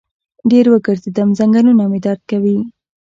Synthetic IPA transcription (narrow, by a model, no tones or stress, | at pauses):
ɖeɾwəɡəɾzed̪amzaŋɡalunamed̪ɑɾd̪̚kawi